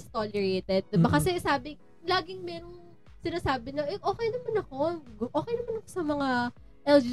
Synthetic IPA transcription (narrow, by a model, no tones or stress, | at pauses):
st̪olɛɹejt̪ɛd̪̚ːɪbakɐsɛsaːbɪ | laːɡɪŋmɛːɾoŋ | sɪnaːsaːbɪɲoʔɛʔo̞ːkɛjnɐmanɐko̞ɡʔoːkɛjnɐmanɐko̞sɐmɐŋa | ʔɛld͡ʒ